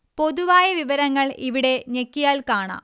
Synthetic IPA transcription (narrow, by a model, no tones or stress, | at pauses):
po̞ðuʋaːjɐʋiʋɐɾɐŋːɐɭiʋiɽe̞ɲekːijaːlkaːɳa̰ːm